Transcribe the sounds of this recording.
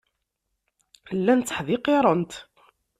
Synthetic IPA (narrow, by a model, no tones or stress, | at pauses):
lːænt͡sːə̥ħðɪqːeɾˤənt̪